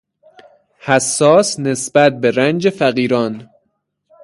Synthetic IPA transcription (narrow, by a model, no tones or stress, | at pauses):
hæsːɒːsnesbæt̪̚beɾænd͡ʒefæɢiːɾɒːn